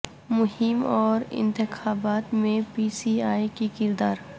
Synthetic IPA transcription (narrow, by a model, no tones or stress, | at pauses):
mʊhɪmɔːɾɪ̰̃nt̪ɪxaːbaːt̪mẽpiːsiːaːikikɪɾd̪aːɾ